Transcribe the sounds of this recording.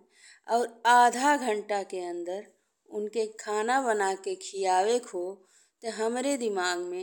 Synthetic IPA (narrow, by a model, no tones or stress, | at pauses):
ɔːɾaːd̪ʱaɡʱə̃ɳʈakeə̃nd̪əɾ | ʊnkekʰaːnabənakekʰijaːwekʰɦo | t̪eɦəmɾed̪ɪmaːɡmẽ